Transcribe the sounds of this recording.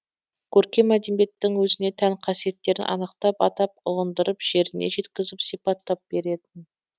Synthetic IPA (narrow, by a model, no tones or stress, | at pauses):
kʲʰɵɾkʲe̞mæd̪embe̞t̪ːɪŋwɵzɪne̞t̪ʰæŋqʰɑsije̞t̪ːe̞ɾɪnʔɑ̰nəqt̪ɑpɑ̰t̪ɑp̚ʊʁənd̪əɾəpʒ̥e̞ɾɪne̞̰ʒe̞t̪kʲɪzɪpsijpɑt̪ːɑp̚b̥e̞ɾe̞d̪ɪn